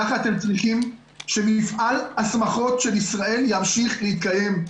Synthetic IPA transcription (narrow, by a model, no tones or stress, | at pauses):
aχat̪e̞mt͡sʁiχim | ʃe̞mifalasmaχo̞tʃe̞lisʁae̞ljamʃiχlehit̪kaje̞m